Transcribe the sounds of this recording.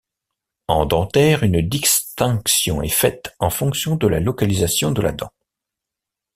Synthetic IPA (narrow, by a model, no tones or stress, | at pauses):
ɑ̃d̪ɑ̃t̪ɛʁynd̪ist̪ɛ̃ksjɔ̰̃ɛ̰fɛt̪ɑ̃fɔ̃ksjɔ̃d̪əlalɔkalizasjɔ̃d̪əla̰d̪ɑ̃